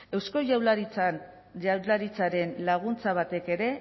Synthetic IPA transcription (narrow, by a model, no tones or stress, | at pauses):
e̞wsko̞ʝawlaɾit͡sa | ʎawlaɾit͡saɾe̞nlaɣ̞unt͡saβ̞at̪e̞ke̞ɾe̞